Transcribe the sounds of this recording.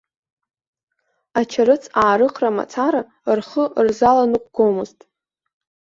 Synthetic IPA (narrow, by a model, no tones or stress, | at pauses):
at͡ʃʰaɾɨt͡sʰaːɾɨqʰʼrama̰t͡sʰaɾa | rχərzalanɨqʷʼɡ̥omɨztʼ